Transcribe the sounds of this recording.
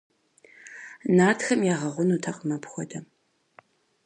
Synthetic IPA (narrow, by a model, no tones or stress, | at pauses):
naːtʰxɐmjaːʁɐʁʷʊnuːtʰɐqʼmɐpxʷɔdɐ